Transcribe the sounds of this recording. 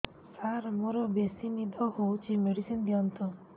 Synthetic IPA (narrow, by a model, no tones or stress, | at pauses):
saɾmoɾɔbesinid̪ʱɔhowt͡ʃʰimeɽisind̪iɔnt̪ʰɔ